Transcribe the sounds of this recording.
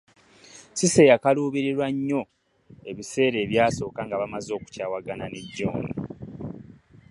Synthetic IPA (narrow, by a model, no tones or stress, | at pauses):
sisejakaluːβiɾiɾwaɲːo̞ | e̞βise̞ːɾe̞ːβjaːso̞ːkaŋɡaβamazo̞ːku̥caːwaɡananeɟːo̰ːnḭ